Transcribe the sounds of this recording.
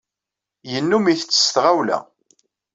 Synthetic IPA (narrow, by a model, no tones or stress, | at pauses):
jənːumiθət͡sːə̥sθʁæwlæ̰